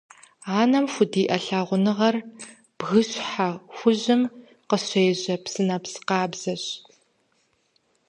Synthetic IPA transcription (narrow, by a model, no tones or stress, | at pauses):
aːnɐmxʷʊdiːʔɐɬaːʁʷʊnɨʁɐr | b̥ɣɨɕħaxʷʊʑɪm | qəɕejʑɐpsɨnɐpsqɑːbz̥ɐɕ